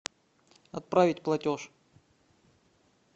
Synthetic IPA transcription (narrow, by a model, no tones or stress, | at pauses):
ɐt̪̚pɾavʲɪtʲplˠɐtʲoʂ